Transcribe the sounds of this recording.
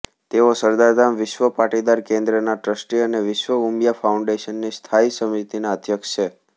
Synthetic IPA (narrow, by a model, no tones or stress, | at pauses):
t̪eosəɾd̪aɾd̪amʋɪʃʋəpaʈid̪aɾkẽnd̪ɾənaʈɾəsʈiəneʋɪʃʋəumjafauɳɖeʃənːist̪ʰaisəmit̪inaəd̪ʱjəkʃt͡ʃʰe